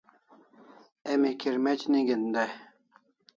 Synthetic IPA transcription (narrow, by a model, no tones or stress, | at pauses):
emikʰiɾmet͡ɕniɡind̪a